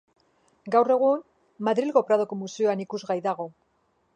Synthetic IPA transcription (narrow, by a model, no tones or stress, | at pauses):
ɡawre̞ɣ̞un | maðɾilɣopɾaðo̞ko̞musioanikuzɣajðaɣ̞o̞